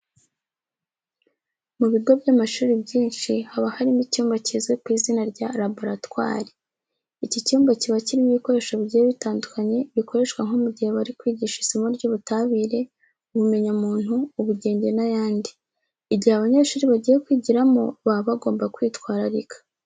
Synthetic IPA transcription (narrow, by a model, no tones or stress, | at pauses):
muβiɡo̞bjamaʃuːɾibɟiːnʃihaβahaɾimicuːmbaciːzɡwe̞kwiːzinaɾɟaɾabo̞ɾatwa̰ːɾi | icicuːmbaciβaciɾimiβiko̞ɾe̞ːʃaβiɟijeβitaːndukaɲe̞βiko̞ɾe̞ʃwaŋ̥omuɟiheβaɾikwiːɟiʃi̥simoɾɟoβutaβiːɾe̞ | βume̞ɲamuːn̥huːβuɟe̞ːɲɟe̞najaːndiː | ɟihaβaɲe̞ːʃuːɾiβaɟiːje̞kwiːɟiɾamo̞̰βaβaɡo̞ːmbakwiːtwaːɾaɾikʰḁ